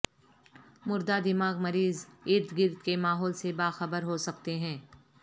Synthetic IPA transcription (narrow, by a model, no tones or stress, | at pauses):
mʊɾd̪ad̪ɪmaːɡmɐɾiːzɪɾt̪ɡɪɾd̪kemaːɦɔːlsebaːxɐbəɾɦosɐkt̪eɦɛ̃ː